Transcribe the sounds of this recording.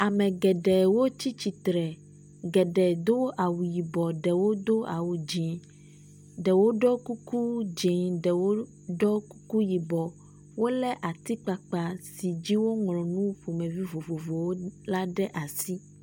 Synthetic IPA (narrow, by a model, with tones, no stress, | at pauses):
a˨mɛ̃˨ɡɛ˨ɖɛ˨wo˦t͡ɕi˦t͡ɕi˨t̪ɾɛ˨ | ɡɛ˨ɖɛ˨d̪o˦ʔa˨wu˨ji˨bɔ˨ɖɛ˨wo˦d̪o˦a˨wu˨d͡ʒi˨ | ɖɛ˨wo˦ɖɔ˦ku˦ku˦d͡ʒɛ˨ɖɛ˨wo˦ | ɖɔ˦ku˦ku˦ji˨bɔ˨ | wo˦lɛ˦ʔa˨t̪i˦k͡pa˨k͡pa˨si˨d͡ʑi˦wo˦ŋlɔ̃˨nũ˦ɸu˨mẽ˨vi˦vo˨vo˨vo˨wo˦la˦ɖɛ˦ʔa˨si˦